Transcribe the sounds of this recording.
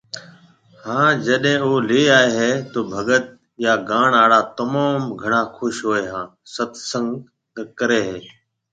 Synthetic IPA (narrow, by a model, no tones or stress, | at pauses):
hãːd͡ʒəɗɦẽːoːliːaːeːɦeːt̪oːbʱəɡət̪̚ | jaːɡaːɳaːɽaːt̪əmaːmɡʱəɳaːkʰʊʃɦoːeːɦãːsət̪ʰsə̃ŋɡ̪ | əkəɾeːɦeː